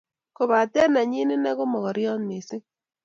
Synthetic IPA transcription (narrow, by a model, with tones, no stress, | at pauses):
ko˨βa˨tɛ˦na˨ɲi˦nɪ˦nɛ˦ɣo˦mɔ˨ɣɔ˨ɾjɔ˦nme˨sɪ˦